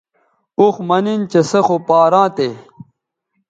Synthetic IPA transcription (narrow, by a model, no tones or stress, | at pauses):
uxmɐnint͡ɕesɐxopaːɾãːt̪e